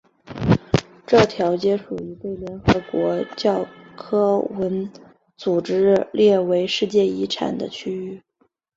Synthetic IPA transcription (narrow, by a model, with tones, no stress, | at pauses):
ʈ͡ʂɤ˥˩t̪ʰjɑ˧˥ʊt͡ɕjɛ˥ʂu˨˩i˧˥t̪we˥˩ɪljɛ˧˥nxɤ˧˥kwɔ˧˥t͡ɕjɑ˥˩ʊkʰɤ˥wə˧˥n | t͡su˨˩ʈ͡ʂɻ̩˥ljɛ˥˩we˧˥ɪʂɻ̩˥˧t͡ɕjɛ˥˩i˧˥ʈ͡ʂʰa̰˨˩nd̪ə̰˦t͡ɕʰy˥y˥˩